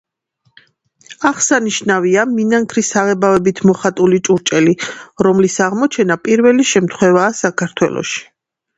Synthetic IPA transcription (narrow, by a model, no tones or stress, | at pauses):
aʁsaniʃnaviaminaŋkʰɾisaʁɛbavɛbit̪ʰmɔχat̪ʼulit͡ʃʼuɾt͡ʃʼɛliɾɔmlisaʁmɔt͡ʃʰɛnapʼiɾvɛliʃɛmt̪ʰχwɛvaːsakʰaɾt̪ʰwɛ̰lˠɔ̰ʃi̥